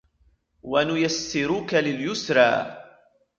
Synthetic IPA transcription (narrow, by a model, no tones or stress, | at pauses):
wanʊjasːɪɾukalɪljʊsɾˤɑ̰ː